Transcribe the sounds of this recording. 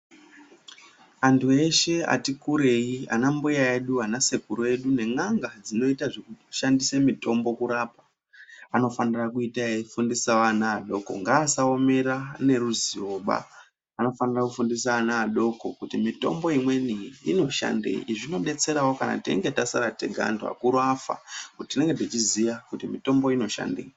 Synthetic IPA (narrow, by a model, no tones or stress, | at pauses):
antʰue̞ʃe̞a̰tikuɾe̞ia̰nambujae̞ɗuanase̞kuɾoe̞ɗune̞ŋaŋɡad͡zino̞itaʐe̞kuʃandisemito̞mbo̞kuɾaːpa | ano̞fanirakuitaefundisaʋanaːɗo̞ko̞̰ŋɡaːsao̞me̞ɾane̞ɾuziroɓa̰ | ano̞fanirakufundisaanaːɗo̞ko̞kutimito̞̰mbo̞imwe̞niino̞ʃa̰ndḛḭʐino̞ɓe̞t͡se̞ɾawo̞kana̰tḛŋɡe̞tasaɾate̞ɡʱa̰nda̰kuɾafa̰kuttine̞ŋɡetit͡ʃizijakutimito̞mbo̞ino̞ʃa̰ndḛi